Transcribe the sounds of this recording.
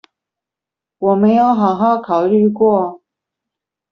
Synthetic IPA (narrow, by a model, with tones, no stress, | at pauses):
wɔ˨˩me˧˥ɪjo˧˥ʊxɑ˨˩ʊxɑ˥˩ʊkʰɑ˨˩ʊly˥˧kwɔ˥˨